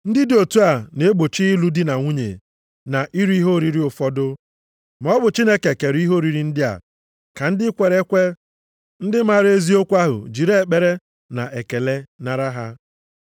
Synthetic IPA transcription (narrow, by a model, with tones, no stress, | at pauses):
n̩˦dɪ˦do˨tu˦a˨ne˨˦ɡ͡bo˨t͡ʃi˦i˦lu˦dɪ˦na˨ŋʷu˦ɲḛ˨ | na˨ʔi˦ɾu˦i˦ɦo˦˨ɾi˨ɾi˦ʊ˨fɔ˦dʊ˦ | m˨ɔ˦bʊ˨t͡ʃi˦ne˦ke˨ke˨ɾi˦ɦo˦˨ɾi˨ɾi˨n̩˦dɪ˦a̰˨ | ka˨n̩˦dɪ˦kʷe˨ɾe˦kʷe˦ | n̩˦dɪ˦ma˦ɾe˦zi˦o˦kʷa˦ɦʊ̰˨d͡ʒi˨ɾe˦e˨k͡pe˦ɾe˦ | na˨ʔe˨ke˨le˦na˦ɾa˦ɦa˦